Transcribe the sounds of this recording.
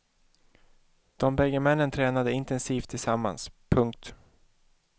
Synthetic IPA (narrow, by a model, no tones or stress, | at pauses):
d̪̥ɔmbɛɡːəmɛnːənt̪ʰɾɛːnad̪əɪnt̪ɛnsiːft̪ʰːɪlsamːa̰nspʰɵŋk̚t̪